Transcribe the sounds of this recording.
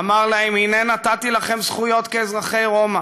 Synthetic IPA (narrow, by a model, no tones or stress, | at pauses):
maʁlaemhinenat̪at̪ilaχe̞msχujo̞t̪keːzʁaχe̞jʁo̞ma